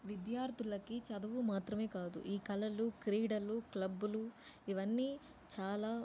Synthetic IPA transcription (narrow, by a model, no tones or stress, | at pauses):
ʋid̪jaːɾt̪ʰulɐkit͡ʃɐd̪ɐʋumaːt̪ɾɐme̞ːkaːd̪ṵʔiːkɐlɐlukɾiːɖɐluklɐbːuluiʋɐnːiː | t͡ʃaːlaː